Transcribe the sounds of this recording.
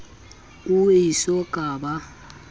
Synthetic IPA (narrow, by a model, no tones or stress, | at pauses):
uisɔɡ̥ʱaːɓa